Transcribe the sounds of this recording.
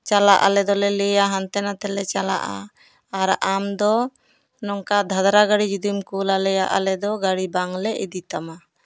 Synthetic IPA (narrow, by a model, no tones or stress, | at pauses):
t͡ʃalaʔa̰lɛd̪ɔlɛlɛjaɦant̪ɛnat̪ɛlɛt͡ʃala̰ʔa̰ | aɾamd̪ɔ | nɔŋkad̪ʱad̪ɾaɡaɽid͡ʒud̪imkulalɛjaʔa̰lɛd̪ɔɡaɽibaŋlɛʔid̪it̪ama